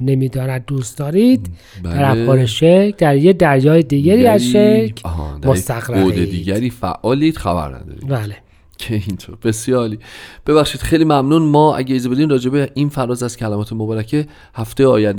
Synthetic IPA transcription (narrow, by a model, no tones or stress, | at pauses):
nemiːd̪ɒːnæd̪̚ːuːst̪d̪ɒːɾid̪ | bd̪æɾæbɒːɾeʃeɾkʰd̪æɾjed̪æɾjɒːjed̪iːɟæɾiːæzʃekʰhd̪æmost̪æɣɾæoed̪iːɟæɾiːfæ̰ʔːɒːliːd̪̥xæbæ̰ɾnæ̰d̪ɒ̰ːɾibæːle | cʰeint̪ʰoɾb̥e̞sjɒːɾiːb̥e̞βæχʃiːd̪̥xejlimæmnunmɒːæ̰ɟeizebe̞d̪iːmrɒːd͡ʒe̞beʔinfæɾɒːzæzcʰælæmɒːt̪ʰemobɒːɾæcʰe | hæft̪ejɒːjænd̪